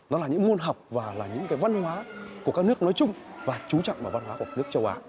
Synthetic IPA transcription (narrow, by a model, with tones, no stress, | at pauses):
nɔ˨˦laː˨˩ɲɨ̰˧˥ŋmu˧ənɦə˨˩wk͡p̚vaː˨˩laː˨˩ɲɨ̰˧˥ŋkaː˨˦jva˧nhwaː˨˦ku˨˩əkaː˦˥k̚nɨ˦˥ək̚nɔ˨˦jt͡ɕʊ˧ŋ͡mvaː˨˩t͡ɕu˨˦t͡ɕɔ̰˧˨wŋ͡mvaː˨˩va˧nhwaː˨˦ku˧˩kaː˦˥nɨ˦˥k̚t͡ɕə˧wʔa̰ː˧